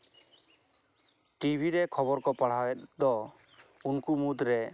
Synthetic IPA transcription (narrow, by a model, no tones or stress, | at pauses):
ʈibʱiɾɛkʰɔbɔɾkɔpaɽ̤aɛt̪̚d̪ɔ | unkumud̪ɾɛ